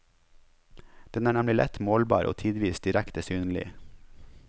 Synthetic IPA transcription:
d̪̥ɛnæːɳæmlɪlɛ̰t̪moːlbɑ̰ːɾʔo̰ːt̪ʰiːd̪ʋiːsd̪ɪɾɛkt̪əsyːnlɪ̰

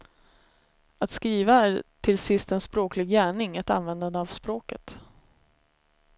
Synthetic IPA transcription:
at̪skɾiːvaæɾt̪ʰɪlsɪst̪ɛnspɾoːklɪɡjæːɳɪŋɛt̪a̰nvɛnd̪and̪əavspɾoːkət̪

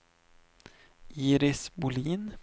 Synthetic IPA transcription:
ʔiːɾɪsbʊliːn

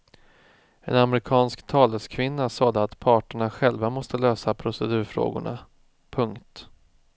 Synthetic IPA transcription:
ɛ̰namɾɪkʰɑːnskt̪ʰɑːləskʰvɪnːasɑːd̪əat̪pʰɑːʈəɳaɧɛlvamɔst̪əløːsapʰɾʊsɛd̪ʉ̟ːɾfɾo̰ːɡʊ̰ɳa̰ | pʰɵŋkt̪

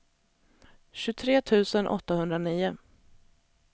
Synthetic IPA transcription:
ɕɵt̪ʰɾeːt̪ʰʉ̟ːsənʔɔ̰t̪ːahɵnd̪ɾaniːʊ

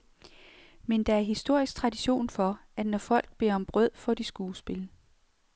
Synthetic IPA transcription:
mend̥ɑ̈æɐɦisd̥o̝ɐ̰isɡ̥̚t͡sʰʁɑ̈d̥iɕo̝̰ːnfɒ̽æ̥nɒfɒ̽l̰ɡ̥̚b̥e̝ɐɒ̽mb̥ʁœð̰ˠfɒ̽d̥isɡ̥uːsb̥e̝lə

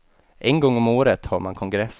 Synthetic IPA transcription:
ʔɛnɡɔŋːɔmoːɾət̪hɑːɾmankʰɔŋɡɾɛs

